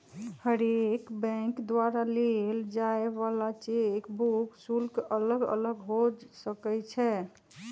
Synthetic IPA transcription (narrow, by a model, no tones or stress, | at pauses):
həɾekbɛ̃kd̪waɾaleld͡ʒaeβalat͡ʃekbuksulkʔələɡə̰ləɡɦod͡ʒsəkɛt͡ʃʰɛ